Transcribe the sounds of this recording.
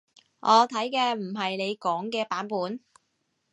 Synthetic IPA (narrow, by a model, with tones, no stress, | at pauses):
ʔɔː˨˧t̪ʰɐ˨˥jkɛː˧m̩˨˩ɦɐ˨jne˨˧jkɔː˨˥ŋkɛː˧paː˨˥npuː˨˥n